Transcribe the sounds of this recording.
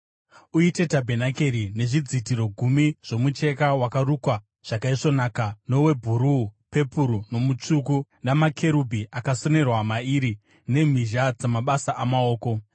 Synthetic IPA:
uite̞tabʱenakeɾine̞ʐid͡zitiɾo̞ɡʱumiʐ̥o̞mut͡ʃe̞kawakaɾukwa | ʐ̥akaiʂo̞naːkano̞we̞bʱuɾupe̞puɾuno̞mut͡ʂuk̬unamakʰe̞ɾubʱiʔakaso̞ne̞rwamaiːɾi | ne̞m̤iʒad͡zamaɓasaʔamao̞ːko̞

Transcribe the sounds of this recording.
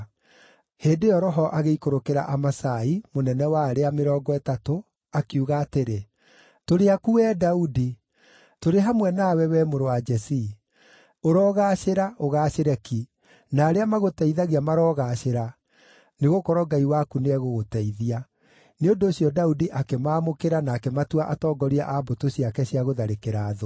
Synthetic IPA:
heːndeɔɾɔɦɔʔaɣeikoɾokeɾa̰ʔamasaimonɛnɛwaːɾeameɾɔːɡɔɛtato | akuɣaːteɾe | toɾeakuɛːdaudi | toɾeɦamwɛnaːwɛwɛːmoɾowad͡ʒɛsi | oɾɔːɣaɕeɾaʔoɣaːɕeɾɛki | naːɾeamaɣotɛiðaɣiamaɾɔːɣaɕeɾa | neɣokɔɾɔɡaiwakuneɛɣoɣotɛiðia | neondoːɕiɔdaudiʔakemaːmokeɾanaːkɛmatuaʔatɔːɡɔɾiaʔabotoɕiakɛɕiaɣoðaɾekeɾaːðo

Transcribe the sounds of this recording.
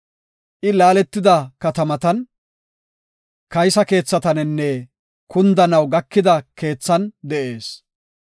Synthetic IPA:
ʔɪlaːlɛt̪ːɪd̪ɐkɐt̪ɐmɐt̪ɐn | kɐjsɐke̞ːt͡sːɐt̪ɐnɛnːɛ | kʊnd̪ɐnɐwɡɐkːɪd̪ɐke̞ːt͡sːɐnd̪ɛʔe̞ːs

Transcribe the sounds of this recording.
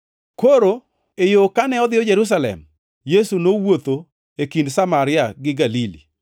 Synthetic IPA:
koɾo | ejokanɛɔd̪ɪɔd͡ʒeɾus̬alɛ̰m | jesunowot̪o | ekindsamaɾɪaɡɪɡalilḭ

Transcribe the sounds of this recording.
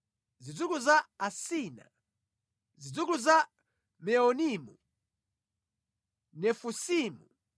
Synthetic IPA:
zid͡zukuzaasiːna̰ | zid͡zukuza | mɛɔnimu | nɛfusiːmu

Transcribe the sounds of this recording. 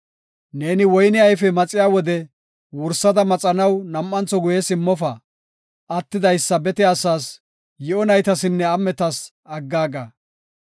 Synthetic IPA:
ne̞ːnɪwɔjnɪɐjfɛmɐt͡sʼɪjaːwɔd̪ɛ | wʊɾsːɐd̪ɐmɐt͡sʼɐnɐwnɐmːɐnt͡sɔɡʊjɛsɪmːɔfɐ | ɐt̪ːɪd̪ɐjsːɐbɛt̪ɪaːsaːs | jɛɔnɐjt̪ɐsɪnːɛɐmːɛt̪ɐs | ɐɡːaːɡɐ

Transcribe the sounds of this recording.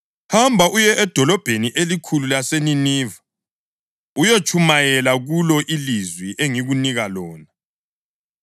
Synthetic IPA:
hambʱaʔujɛʔɛd̥ʱɔlɔb̥ʱeniʔelikʰululaseniniːva | ujot͡ʃʼʰumajɛlaɣulɔʔilizwiʔeŋiɣuniɣalɔːna

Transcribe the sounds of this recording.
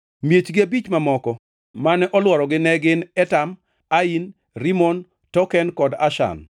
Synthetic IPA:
mjet͡ʃɡɪabit͡ʃmamɔkɔ | manɛʔɔlwɔɾɔɡɪnɛɡɪnɛtam | ain | ɾimɔn | tɔkɛnkɔda̰ʃa̰n

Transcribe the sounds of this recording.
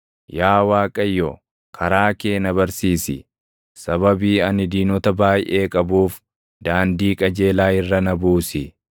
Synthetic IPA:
jaːwaːkʼɐjːɔ | kʰɐɾaːkeːnɐβɐɾsiːsɪ̰ | sɐβɐbiːɐnɪd̪iːnɔt̪ɐbaːjʔe̞ːkʼɐbuːf | d̪aːnd̪iːkʼɐd͡ʒe̞ːlaːɪrːɐnɐbuːsɪ

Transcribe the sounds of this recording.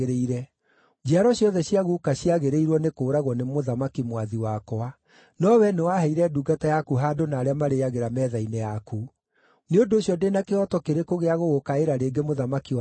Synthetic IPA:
eɾeiɾɛ | d͡ʒaɾɔɕjɔðɛɕjaɣukaɕiaɣeɾeiɾwɔnekoːɾaɣwɔnemoðamakimwaðiwakɔa | nɔwɛnewaɦɛiɾɛduːɡatajakuɦadonaːɾeamaɾejaɣeɾamɛðainɛjaku | neondoːɕjɔdenakeɔtɔkeɾekoɣeaɣoɣokaeɾaɾeːɡemoðamaki

